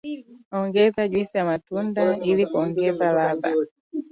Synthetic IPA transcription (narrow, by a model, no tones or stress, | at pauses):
ɔŋɡɛzaʄwisijamatundailikuɔŋɡɛzalaba